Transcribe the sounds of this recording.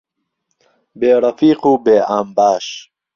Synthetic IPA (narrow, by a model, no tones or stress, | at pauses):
beːɾɐfiːqubeːʔaːmbaːɕ